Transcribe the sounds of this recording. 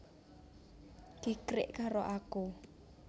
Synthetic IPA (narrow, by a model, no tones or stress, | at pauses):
kikrɪ̰ʔkaɾoʔaku